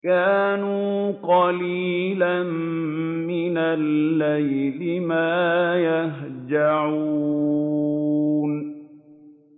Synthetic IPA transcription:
kaːnuːqɑliːlammɪnalːajlɪmaːjaɦd͡ʒaʕu | n

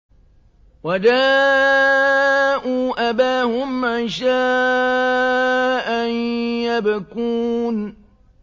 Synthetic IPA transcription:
wadaː | ʔuːʔabaːhʊmːanʃaː | ʔanjabakuːn

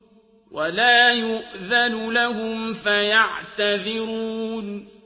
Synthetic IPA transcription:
wʔalaːjʊʔðanʊlahʊmfajaʕt̪aðɪɾuːn

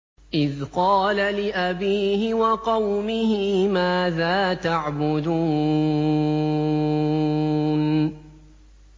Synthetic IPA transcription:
ʔɪðqɑːlalɪʔabiːhɪwɑqɑwmɪhɪmaːðaːt̪aʕbʊd̪uː | n

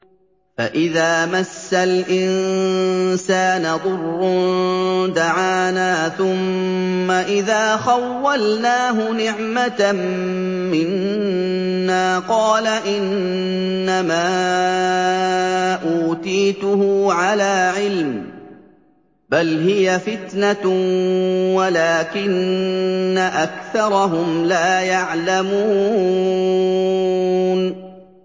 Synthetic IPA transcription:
fa̰ʔɪðaːmasːalʔɪnn | saːnaðˤʊrː | d̪aʕaːnaːθʊmːaʔɪðaːxawːalnaːɦʊnɪʕmat̪mː | ɪnː | aːqɑːlaʔɪnː | amaː | ʔuːt̪iːt̪ʊhʕalaːʕɪlm | balɦɪjafɪt̪na | walaːkɪnː | aʔakθɑɾˤɑɦʊmlaːjaʕlamuː | n

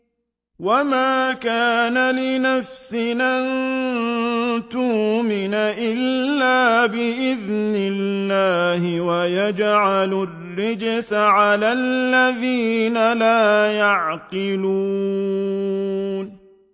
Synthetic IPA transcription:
wamaːkaːnalɪnafsɪnʔan | t̪uːmɪnaʔɪlːaːbɪʔɪðnɪlːaːhɪwajad͡ʒʕalʊrːɪd͡ʒsaʕalalːaðiːnalaːjaʕqɪluː | n

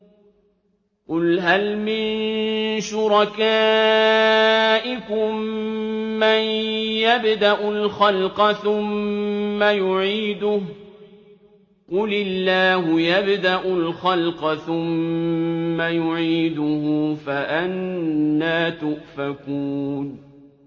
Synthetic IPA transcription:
qʊlɦalmɪnnʃʊɾˤɑkaː | ʔɪkʊmː | ajjabd̪aʔʊlxɑlqɑθʊmː | ajʊʕiːd̪ʊ | qʊlɪlːaːhʊjabd̪aʔʊlxalqɑθʊmː | ajʊʕiːd̪ʊhʊfaʔanːaːt̪ʊʔfakuːn

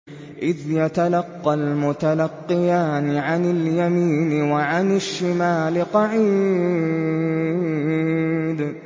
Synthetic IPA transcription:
ʔɪðjat̪alɑqːɑlmʊt̪alɑqːɪjaːnɪʕanɪljamiːnɪwaʕanɪʃːɪmaːlɪqɑʕiː | d̪

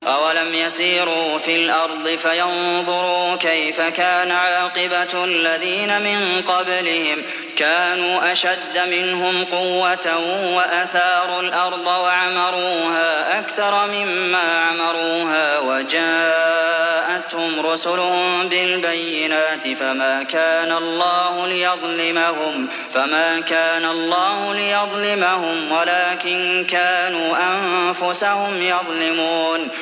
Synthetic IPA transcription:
ʔawalamjasiːɾuːfilʔɑɾˤd̪ˤɨfajɑnðˤʊɾuːkajfakaːnaʕɑːqɨbaalːaðiːnamɪnqɑblɪhɪm | kaːnuːʔaʃad̪ːmɪnɦʊmqʊwːat̪awaʔaθɑːɾˤʊlʔɑɾˤd̪ˤɑwaʕamɑɾˤuːhaːʔakθɑɾˤɑmɪmːaːʕamɑɾˤuːɦaːwad͡ʒaː | ʔat̪hʊmɾʊsʊlʊhʊmbɪlbajːɪnaːt̪ɪfamaːkaːnaɑlˤːɑːhʊlɪjɑðˤlɪmahʊm | famaːkaːnalˤːɑːhʊlɪjɑðˤlɪmahʊmwalaːkɪnkaːnuːʔamfʊsahʊmjɑðˤlɪmuːn

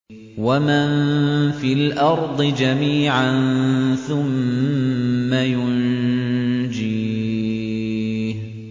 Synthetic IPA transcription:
wamanfiːlʔɑɾˤd̪ˤɨd͡ʒamiːʕanθʊmː | ajʊn | d͡ʒiː | h

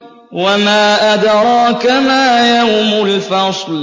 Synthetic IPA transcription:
wamaːʔad̪ɾˤɑːkamaːjamʊlfɑsˤl

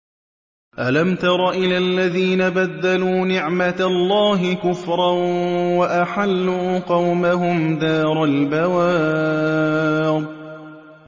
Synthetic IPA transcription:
ʔalamt̪ɑɾˤɑʔɪlalːaðiːnabad̪ːaluːnɪʕmat̪alˤːɑːɦɪkʊfɾˤɑwaʔaħalːuːqɑwmaɦʊmd̪aːɾˤalbawaː | d̪̚ˤ

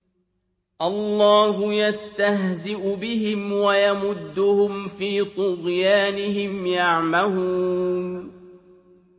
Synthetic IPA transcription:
ʔɑlˤːɑːɦʊjast̪aɦzɪʔʊbɪɦɪmwajamʊd̪ːʊhʊmfiːt̪ˤʊɣjaːnɪhɪmjaʕmaluːn

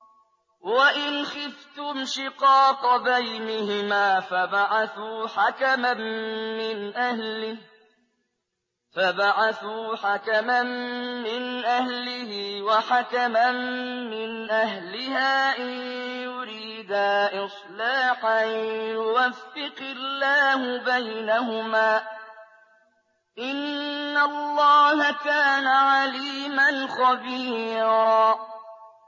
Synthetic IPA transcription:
waʔɪnxɪft̪ʊmʃɪqɑːqbajnɪhɪmaːfabaʕaθuːħakamamɪnʔahlɪ | fabaʕaθuːħakamanmɪnʔahlɪhɪwaħakamanmɪnʔaɦlɪhaːʔajjʊɾiːd̪aʔɪsˤlaːħanjʊwafːɪqɪlːaːhʊbajnahʊmaː | ʔɪnːalːɑːhakaːnaʕaliːmanxɑbiːɾɑː

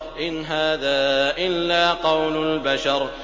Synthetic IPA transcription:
ʔɪnɦaːðaːʔɪlːaːqɑwlʊlbaʃɑɾˤ

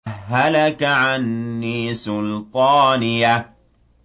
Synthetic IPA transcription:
hːalakaʕanːiːsʊlt̪ˤɑːnɪja

